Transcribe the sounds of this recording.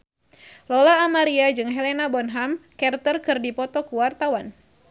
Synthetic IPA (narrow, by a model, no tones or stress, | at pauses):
lɔlaːmaɾiad͡ʒɨŋɦɛlɛnabɔnɦamkɛrt̪ərkɨrdipɔt̪ɔkuwart̪awan